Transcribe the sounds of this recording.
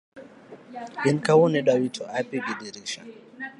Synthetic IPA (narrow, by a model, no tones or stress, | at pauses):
inkawuniɗawitʰɔapiɡidiɾiʃa̰